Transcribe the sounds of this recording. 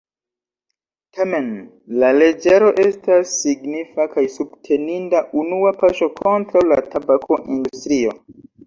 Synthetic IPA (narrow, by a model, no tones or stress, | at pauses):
tʰame̞n | lale̞d͡ʒe̞ɾo̞ʔe̞stasːiɡnifakajsubtʰe̞nindaʔunuapaʃo̞kʰo̞ntɾawlatabakʰo̞ʔindustɾio̞